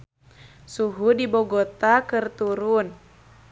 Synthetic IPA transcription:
suɦudibɔɡɔt̪akɨrt̪uɾun

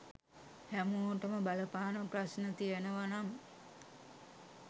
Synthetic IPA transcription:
hæmuʈəməbaləpaːnəprasnət̪ijənəʋanam

